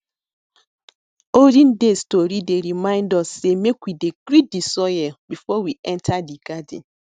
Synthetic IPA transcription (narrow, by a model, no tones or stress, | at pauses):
odĩn̩destoɾideɾimãɪ̃ndɔsːemekwidekɾidisɔjɛbifɔwiʔɛntʰadiɡadḭn